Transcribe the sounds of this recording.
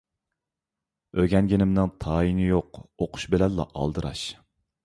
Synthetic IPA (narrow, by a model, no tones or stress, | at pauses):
øɡʲɛnɡʲenɪmnɨŋt̪ʰɑːinɪjoqoqʰʊ̥ʃbɪlɛnlːɑ̰ʔɑ̰lˠd̪ɨɾɑ̰ʃ